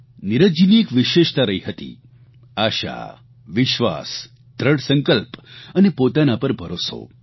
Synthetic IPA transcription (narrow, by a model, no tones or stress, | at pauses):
niɾəd͡ʒiniekʋɪʃeʃt̪aɾəɦiɦət̪ḭ | aʃa̰ | ʋɪʃʋa̰s | d̪ʱɾəɽsəŋkəlpənepot̪anapəɾbʱəɾoso̰